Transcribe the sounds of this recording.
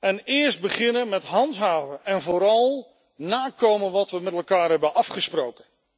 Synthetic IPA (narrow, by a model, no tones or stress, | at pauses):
ɛnɪːɹsd̚bəχɪnənmɛtɦɑntɦaːvəɛnvʊːɾɑlˠ | naːkowmənʋɑtʋəmɛtɛlˠkaːɹɦɛbənʔɑfχəsprowkən